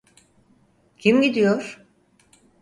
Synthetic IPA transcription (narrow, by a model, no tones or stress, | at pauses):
cʰimɟid̪ijoɾ̥